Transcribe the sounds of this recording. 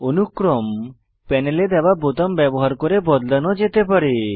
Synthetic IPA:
onukɾɔm | pɛneled̪ɛbabot̪ɔmbɛbɔɦaɾkɔɾebɔd̪lanɔd͡ʒet̪epaɾe

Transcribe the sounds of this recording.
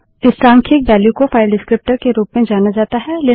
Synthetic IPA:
ɪsɾãːŋkʰɪk̚bɛːljukofaːɪlɖɪskɾɪp̚ʈəɾkeɾuːpmẽd͡ʒaːnad͡ʒaːt̪aɦɛleː

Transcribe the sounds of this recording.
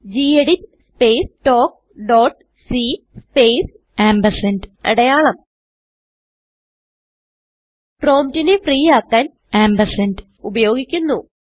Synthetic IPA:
d͡ʑiːeɽinspeːsʈo̞ːk̚ | ɖoːʈ | si | speːs | æːmbɐsɐndɐ̰ɽɐjaːɭɐm | ʈro̞ːmtinefriːjaːkːaːn | aːmbɐsɐnd | ubɐjo̞ːɡikʲːunːu

